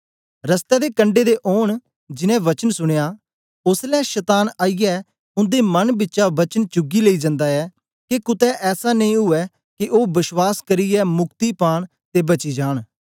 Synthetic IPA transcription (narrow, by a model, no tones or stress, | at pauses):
ɾəst̪ɛːd̪eːkəɳɖeːd̪eːʔoːɳ | d͡ʒɪnɛ̃ːʋət͡ʃənsʊɽ̃ejaː | ʊslɛːʃət̪aːnaːijɛː | ʊ̃nd̪eːmənbɪtːʃaːʋət͡ʃənt͡ʃʊɡiːleiːd͡ʒãnd̪aːɛː | kekʊt̪ɛːʔɛːsaːnə̃ĩːɦʊɛː | kɪʔoːbɪswaːskəɾiːɛːmʊkt̪iːpaːɽ̃ | t̪eːbət͡ʃiːd͡ʒaːɽ̃